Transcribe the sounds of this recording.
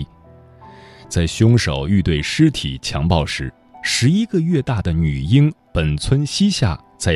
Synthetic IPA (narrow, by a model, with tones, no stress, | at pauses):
t͡sa˥˩ɪɕjʊ˥ŋʂo˨˩ʊy˥˧t̪we˥˩ɪʂɻ̩˥t̪ʰḭ˨˩t͡ɕʰjɑ˧˥ŋpɑ˥˩ʊʂɻ̩˧˥ | ʂɻ̩˧˥i˥ɡə˧ɥɛ˥˧t̪a˥˩d̪ə˩ny˨˩i˥ŋpə˨˩nt͡sʰwə˥nɕi˥ɕja̰˥˩ | t͡sa˥˩ɪ